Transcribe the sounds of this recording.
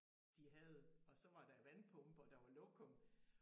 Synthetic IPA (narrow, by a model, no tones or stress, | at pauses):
d̥iɦɛð̩ˠɒ̽sɒ̽ʋɑ̈d̥ɑ̈ʋænpʰɔ̽mb̥ɒd̥ɑ̈ʋɑ̈loɡ̥ʰɔm